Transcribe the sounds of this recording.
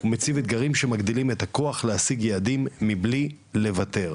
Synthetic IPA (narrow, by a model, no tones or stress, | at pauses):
umet͡sivet̪̚ɡaʁimʃemaɡd̪ilimet̪ako̞aχlehasiɡjead̪imːibli | le̞vat̪e̞ʁ